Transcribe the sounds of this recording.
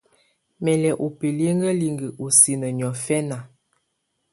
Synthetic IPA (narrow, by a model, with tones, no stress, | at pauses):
mɛ˨lɛ˨ʔo˨pe˨le˦ŋɡə˦li˨ŋɡə˨ʔo˨si˨nə˨ɲ˨ɔ˨fɛ˦na˨